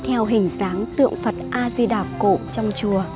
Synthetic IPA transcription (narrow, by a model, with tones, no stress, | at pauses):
t̪ʰɛ˧wɦï˨˩ŋ̟zaː˨˦ŋt̪ɨ̰˧˨əŋfə˨˩t̚ʔaː˧zi˧ɗaː˨˩p̚ko̰˧˨t͡ɕɔ˧wŋ͡mt͡ɕu˨˩ə